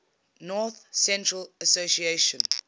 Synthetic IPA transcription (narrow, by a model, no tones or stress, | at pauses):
nɔˑθsɛ̃ntɹələsosieʃə̃n